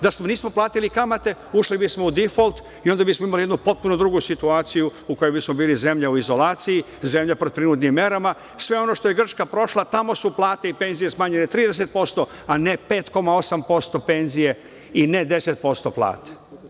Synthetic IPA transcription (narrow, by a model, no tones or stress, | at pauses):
d̪asmoniːsmo̞plˠaːt̪ilikamat̪e̞uʃlibismo̞ud̪ifolt̪ | io̞nd̪abismoimalijed̪nupo̞t̪̚puno̞d̪ɾuɡusit̪uaːt̪sijuuko̞jobismo̞biːlize̞mʎauizo̞laːt̪siji | ze̞mʎapɾopɾinuːt̪nimːe̞ɾama | sʋe̞o̞no̞ʃt̪o̞je̞ɡr̩t͡ʃkapɾo̞ʃlˠat̪amo̞suplˠaːt̪eipe̞nzije̞smaːɲenet̪ɾiːd̪es̬et̪̚po̞st̪o̞ane̞pe̞ːt̪ko̞mao̞sampo̞st̪o̞pe̞nzije | ined̪e̞set̪̚po̞st̪oplˠa̰ːt̪e̥